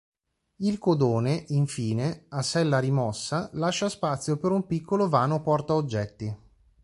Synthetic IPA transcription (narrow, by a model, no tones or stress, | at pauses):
ilkod̪oːneʔiɱfiːneasɛlːaɾimɔsːalaʃːaspat̪sːjopeɾumpikʰːolovaːnopɔrt̪aod͡ʒːɛt̪ːi